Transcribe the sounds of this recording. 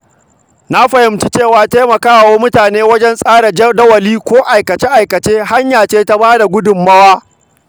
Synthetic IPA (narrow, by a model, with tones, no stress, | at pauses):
na˦ɸɐ˨hɪ˨˦mt͡ʃi˦t͡ʃeː˦˨waː˨teː˦mɐ˨kaː˦˨woː˦mʊ˦taː˨neː˦wɐ˦d͡ʒɛ˦nsʼaː˦ɽa˨d͡ʒdɐ˦wɐ˨liː˦kʷoː˦ʔa˨jkɐ˨t͡ʃe˦ʔa˨jkɐ˨t͡ʃeː˦ha˦ɲjaː˨t͡ʃeː˦ta˦baː˦da˨ɡʷʊ˦dʊ˨mːɐ˦waː˦